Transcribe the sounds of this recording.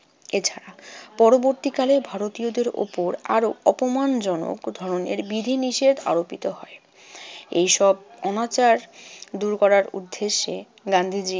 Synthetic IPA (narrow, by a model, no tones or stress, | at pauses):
et͡ɕʰaɾapɔɾoboɾt̪ikalebʱaɾot̪iod̪eɾo̰poɾa̰ɾoɔpomand͡ʑɔno̰kd̪ʱɔɾonḛɾbid̪ʱiniʃed̪a̰ɾopit̪oɦɔe | ejʃɔb̚ɔnat͡ɕaɾd̪uɾkɔɾaɾṵd̪ːeʃe | ɡand̪ʱid͡ʑi